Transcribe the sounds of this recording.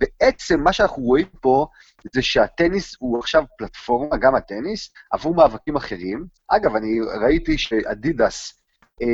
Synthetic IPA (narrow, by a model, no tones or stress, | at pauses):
b̥eʔet͡se̞mːaʃeanaχnuʁo̞impo̞ | zeʃeat̪enishuaχʃavplatfo̞ʁmaɡamat̪e̞nisa̰vumaːvakimaχe̞ʁimʔaɡavaniʁait̪iʃeʔa̰didas